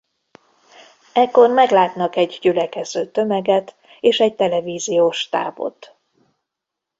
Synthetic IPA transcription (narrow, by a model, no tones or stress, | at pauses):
ɛkːo̞rmɛɡlaːt̪nɒkɛɟɟylɛkɛz̥øːt̪ø̞mɛɡɛt̪ | eːʃɛc̚t̪ɛlɛviːzijoːʃt̪a̰ːbo̞̰t̪